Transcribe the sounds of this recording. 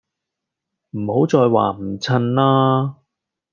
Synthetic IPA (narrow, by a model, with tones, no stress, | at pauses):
m̩˨˩ho˨˥wt͡sɔː˧jwa̰ː˨˩m̩˨˩t͡sʰɐ˧nlaː˥